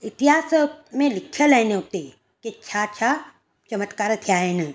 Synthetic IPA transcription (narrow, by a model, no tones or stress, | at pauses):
ɪt̪iɦaːsmẽlɪkʰjəlɐɪneɦʊt̪e | ket͡ʃʰat͡ʃʰa | t͡ʃɐmət̪kaːɾt̪ʰijaːɦɪn